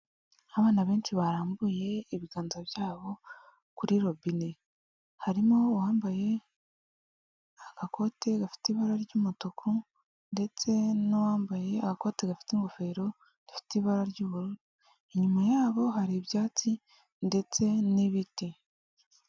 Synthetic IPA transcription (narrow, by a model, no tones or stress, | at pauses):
aβaːnaβe̞ːnt͡ʃiβaɾaːmbuje̞ːβiɡaːnzaβjaːβo̞ | kuɾiɾo̞bine | haɾimowaːmbaje̞ | aɡ̥ako̞te̞ɡafi̥tiβaɾaɾɟuːmutokʰu | nde̞t͡se̞nowaːmbaje̞aɡako̞ːteɡafi̥tiŋɡo̞fe̞ɾo̞ | d̥ifi̥tiβaɾaɾɟuːβuɾuɾu | eɲumajaːβo̞ɦaɾiβjaːt͡si | nde̞t͡se̞niβiti